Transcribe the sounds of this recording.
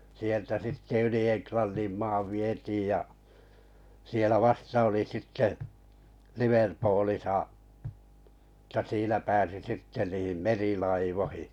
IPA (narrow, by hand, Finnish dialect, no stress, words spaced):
sieltæ sitːe yli enklɑnːĩm mɑːʋ ʋietiːj jɑ sielæ ʋɑstɑ oli sitːe liʋerpoːlisɑ ə̆tæ siːnæ pæːsi sitːe niːm merilɑiʋohi̥